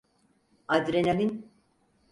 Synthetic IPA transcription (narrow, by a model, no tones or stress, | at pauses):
ad̪ɾenalin